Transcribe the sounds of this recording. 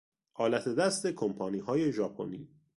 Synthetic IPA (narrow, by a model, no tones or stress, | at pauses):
ʔɒːlæt̪ʰe̞d̪æst̪ekʰompʰɒːniːɦɒːje̞ʒɒːpʰo̞̰niː